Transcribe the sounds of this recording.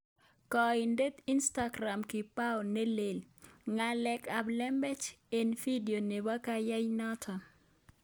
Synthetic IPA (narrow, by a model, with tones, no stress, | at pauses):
kɔinde˦t̪i˦nstaɡɾa˨mkɪ˨pa˦ɔne˦le˨lŋalɛka˨blɛ˦mbɛ˦t͡ʃe˨nfi˦di˨o˨ne˨ba˦kaja˦jnɔ˦tʰɔ